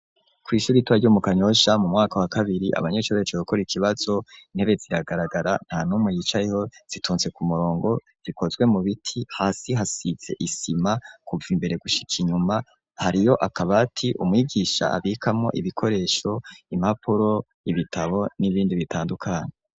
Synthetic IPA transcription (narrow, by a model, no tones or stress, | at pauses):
kwiːʃuɾituwaɾɟuːmukaɲo̞ʃamumŋaːkawakaβiɾiʔa̰βaɲet͡ʃoβet͡ʃookoɾikiβaz̥o̞in̥e̞βez̥iɾaɡaɾaɡaɾan̥haːnumŋejit͡ʃajeho̞z̥itʰuːnze̞kumuɾo̞ːŋɡo̞ | z̥iko̞zɡwe̞muβitʰihaːsiɦasiz̥e̞̰ʔisimakuvimbe̞ɾe̞ɡuʃi̥kʰiɲuma | haɾijo̞ʔakʰaβatʰiʔṵmŋiːɡiʃa̰a̰βikʰamŋo̞̰ʔiβikʰo̞ɾe̞ːʃo̞imapʰuɾo̞ | iβitʰaβo̞niβiːndiβitʰaːndukʰaːɲe